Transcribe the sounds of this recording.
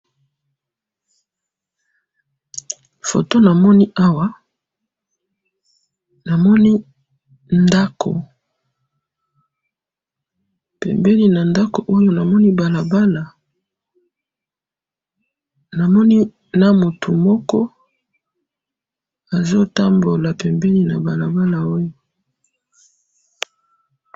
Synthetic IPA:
fo̰˨to˦na˨mɔ˦ni˦ʔa˦wa˦ | na˨mɔ˦ni˦ | nda˦kʰo̰˨ | pɛ̰˨mbɛ˦li˦na˨nda˦ko˨ʔo˦jo˦na˨mɔ˦ni˦ba˨la˨ba˦la˨ | na˨mɔ˦ni˦ | na˦mo˨tʰu˨mɔ˦kɔ˦ | a˨zo˦ta˦mbo˨la˨pɛ˨mbɛ˦li˦na˨ba˨la˨ba˦la˨o˦jo˨

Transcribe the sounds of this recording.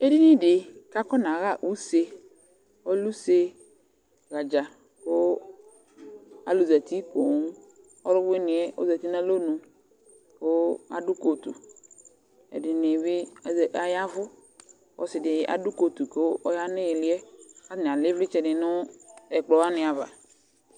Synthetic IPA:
e˦di˦nĩ˦ɖɪ˨ka˦kɔ˦nã˨ɣa˦˨ʔu˦se˦ | wo˦lu˦se˦ | ɣa˨d͡ʒa˨ | ko˦ | a̰˨lu˨zɛ˨t̪i˦po˨ŋũ˦ | ɔ˦lʊ˦we˦nĩ˨ɛ˦wo̰˦zɛ˨t̪i˦nã˦lo˦nũ˨ | ka̰˨ɖʊ˦ko˨t̪ṵ˨ | ḛ˨ɖɪ˨nɪ̃˨βɪ˦˨˦ʔa˨ja˦vʊ˦ | wɔ̰˦sɪ˨dɪ˨a̰˨du˦ko˨t̪u˨ke˨˦wo˦o˦ja˦nẽ˦je˨li˦ɛ˦ka˦ñ˨a˨lɪ˦vlɪ˦t͡ʃɛ˨nɪ˨nʊ̃˦ɛ˨k͡plɔ˨wa˦nɪ̃˨a˨va̰˨

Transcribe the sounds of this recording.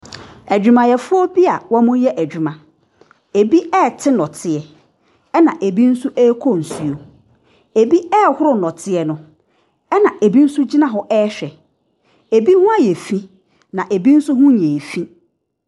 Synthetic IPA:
æ˨d͡ʑᶣu˨mã˨jɛ˨fʊ˦ɔ˦bi˦a˨wɔ˦mʊ̃˦jɛ˦ʔæ˨d͡ʑᶣu˨mã˨ | e˨bi˦ɛ˦˨tʰɪ˦nɔ̃˨tʰɪ˨ɛ˨ | ɛ˦nã˨ʔe˨bi˦n̩˦sʊ˦ʔɛː˦kʰo˦˨n̩˨su˨o˨ | e˨bi˦ɛː˦˨hʊ˦ɾʊ˦nɔ̃˨tʰɪ˦ɛ˨nʊ̃˦ | ɛ˦nã˨ʔe˨bi˦n̩˦sʊ˦d͡ʑi˦nã˦ɦɔ˨ʔɛː˦ɕᶣɛ˨ | e˨bi˦hʊ̃˦a˦jɛ˨fĩ˦ | nã˨ʔe˨bi˦n̩˦sʊ˦hʊ̃˦ɲ˨ɛ̃˨fĩ˦

